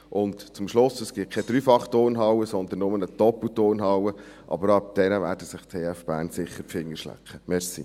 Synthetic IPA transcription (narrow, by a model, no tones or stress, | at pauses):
ʔʊntt͡sʊmʃlʊsəsɡ̥ɪt̚kʰɛd̥̪ɾyːfɑχtoːɾnɦɑwəsɔnd̪ənːʊmənətɔpətoːnɦɑwəʔɑ̰bəɾɑp̚d̥̪ɛnəʋæːɾdəsɪχtʰeːɛfb̥æ̰ːnsɪχːəpfɪŋːəɾʃlæ̰kχəmɛɾsḭ